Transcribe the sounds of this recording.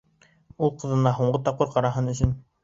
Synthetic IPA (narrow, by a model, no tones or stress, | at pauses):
ulˠqɤ̆ðɤ̆nɑɦuɴɢɤt̪ɑp̚qɤɾqɑɾɑɦɤnɵ̆sɵn